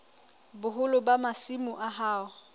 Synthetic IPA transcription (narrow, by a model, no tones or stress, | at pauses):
bʊɦʊlʊbamasimʊʔaɦaːʊ